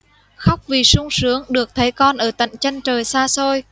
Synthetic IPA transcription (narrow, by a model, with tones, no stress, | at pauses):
xa˦˥wk͡p̚vi˨˩sʊ˧ŋ͡msɨ˨˦əŋɗɨ˨˩ək̚t̪ʰə˨˦jkɔ˧nʔəː˧˩t̪ə̰˧˨ŋ̟t͡ɕa˧jŋ̟t͡ɕəː˨˩jsaː˧so˧j